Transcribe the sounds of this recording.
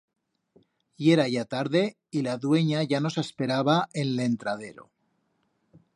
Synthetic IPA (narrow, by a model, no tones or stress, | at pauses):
je̞ɾaʝat̪aɾðe̞ | ilaðwe̞ɲaʝano̞sespe̞ɾaβaʔenle̞nt̪ɾað̞e̞ɾo̰